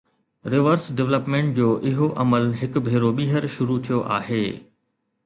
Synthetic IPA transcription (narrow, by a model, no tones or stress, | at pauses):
ɾɪʋəɾsɖɛʋləpmẽːɳʈ̚d͡ʑoːʔɪɦoʔɐməlɦɪkʊ̆bʱeːɾoɓiːɦəɾʃʊɾut̪ʰijoʔaːɦeː